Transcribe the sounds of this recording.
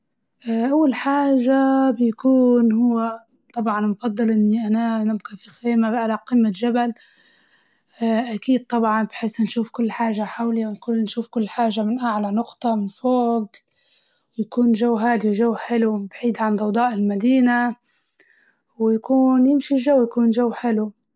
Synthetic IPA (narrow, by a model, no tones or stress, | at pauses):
ʔʔawːalħaːʒabjakuːnhʊwːa | t̪ˤɑbʕɑnmʊfɑd̪ˤːɨlʔɪnːiʔananabkafixeːmabʔalaqiːmːaʒabal | ʔakiːd̪̚t̪ˤɑbʕɑnbħesnʃuːfkʊlːħaːʒaħawliwnkuːnʃuːfkʊlːħaːʒamɪnʔaʕlanʊqt̪ˤɑmɪnfoːɡ | wjakuːnʒawːɦaːd̪iwʒawːħɪlubaʕiːd̪ʕand̪ˤɑwd̪ˤɑːʔɪlmad̪iːna | wjakuːnjɪmʃilʒawːjakuːnʒawːħɪlu